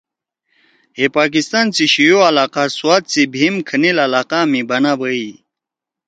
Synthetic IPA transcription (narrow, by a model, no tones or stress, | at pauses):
ɦepaːk̬ist̪aːnt͡siɕijoɐlaːqaswaːt̪̚t͡sibʱimkʰənilɐlaːqamibɐnabəi